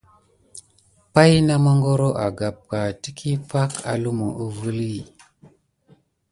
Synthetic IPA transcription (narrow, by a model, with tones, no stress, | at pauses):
pa˦jna˦ma˦ŋɡo˦ɾo˦ʔa˨ɡa˨p̚ka˨ti˦kʰi˦pa˦ka̰˨lu˦mo˨ʔu˦vu˦li˦˨